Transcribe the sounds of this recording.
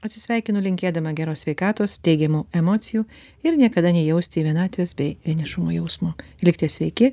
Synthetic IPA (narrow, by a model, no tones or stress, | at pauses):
ɐt̪sʲɪsʲʋʲɛɪkʲɪnʊlʲɪŋʲkʲeːd̪ɐmɐɡʲæɾoːsʲʋʲɛɪkɑːt̪oːst̪ʲɛɪɡʲɛmuːɛmoːt̪sʲɪjuː | ɪɾnʲiɛkɐd̪ɐnʲɛjɛʊsʲt̪ʲɪʋʲiɛnɑːt̪ʲʋʲesbʲɛɪʋʲiɛnʲɪʃʊmoːjɛʊsmʊ | ɪlʲkt̪ʲiːsʲʋʲɛɪkʲɪ